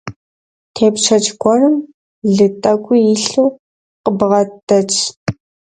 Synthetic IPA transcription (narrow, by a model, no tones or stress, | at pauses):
tʰeːpʃʰɐt͡ʃʼɡʷɔrɨm | ɮɨtʼɐkʷʼʊjɪɬuw | qəbʁɐtʼːɐt͡ʃʼ